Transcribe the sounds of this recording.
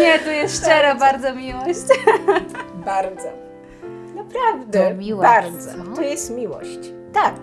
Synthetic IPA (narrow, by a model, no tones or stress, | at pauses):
ɲɛt̪ujɛst̪ʃt͡ʃɛɾɐbaɾd̪zɔmʲiwɔɕt͡ɕ | baɾd̪zɔ | napɾavd̪ɛmiwɔbaɾd̪zɔ̃t̪ujɛst̪mʲiwɔ̰ɕt͡ɕ | t̪ak̚